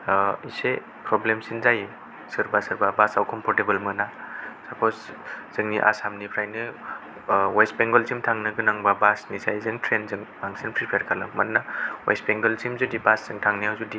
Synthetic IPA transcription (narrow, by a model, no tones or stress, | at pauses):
ise | pɾɔblemsinzaj | sɯɾbasɯɾbabasawkʰɔmpʰɔɾtebɯlmɯnasakʰɔsz̥ɯŋniʔa̰samnipʰɾajnɯ | wasbeŋɡɔlsimtʰaŋnɯɡɯnaŋbabasnizajzɯŋtʰɾenzɯŋmaŋsinpʰɾipʰeɾkʰalɯmannawa̰sbeŋɡɔlsimzudibaszɯŋtʰaŋnijawzudi